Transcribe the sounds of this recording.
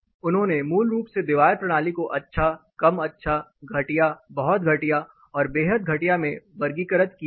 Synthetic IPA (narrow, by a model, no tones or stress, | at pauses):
ʊnɦõnemuːlɾuːpsed̪ɪʋaːɾpɾɐɽ̃aːlikoʔɐtːʃʰakɐmɐtːʃʰaɡʱɐʈijabɐɦɔt̪̚ɡʱɐʈija | ɔːɾbeːɦəd̪̚ɡʱɐʈijamẽʋɐɾɡiːkəɾət̪ki